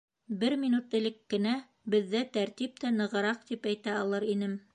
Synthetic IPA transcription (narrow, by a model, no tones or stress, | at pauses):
bɘɾmʲinut̪ɘ̆lɘkːɘ̆næ | bɘ̆ðːæt̪æɾt̪ip̚t̪ænɤ̆ʁɤ̆ɾɑq̚t̪ipæjt̪æɑlˠɤɾinɘm